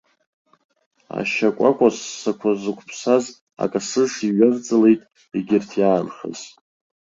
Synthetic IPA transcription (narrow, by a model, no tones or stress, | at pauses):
a̰ʃakʷʼakʷʼassakʷʰazɨkʷʰʼpʰsaz | a̰kʼasɨʂiɥard͡zɨlejtʼ | iɡʲɪrtʰjaːnχə̰z